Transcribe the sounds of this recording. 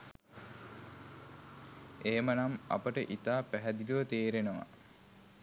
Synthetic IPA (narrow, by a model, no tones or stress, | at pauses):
eːmənamɐ̰pəʈəʔit̪aːpæɦæd̪iləʋət̪eːɾenəʋa̰